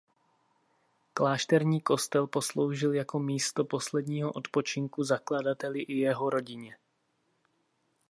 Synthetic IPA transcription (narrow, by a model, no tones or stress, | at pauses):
klaːʃt̪ɛɾɲiːko̞st̪ɛlpo̞slo̞wʒɪljako̞miːst̪o̞po̞slɛdɲiːɦo̞ʔo̞t̪po̞t͡ʃɪŋkuzakladat̪ɛlɪʔɪjɛɦo̞ɾo̞ɟɪɲɛ